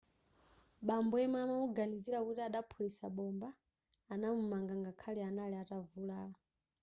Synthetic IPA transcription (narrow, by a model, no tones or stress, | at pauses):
ɓambuɛmamauɡaniziɾakutiaɗapʰulisa̰ɓɔmbaː | namumaŋɡaŋɡakʰalianaliatavulaːla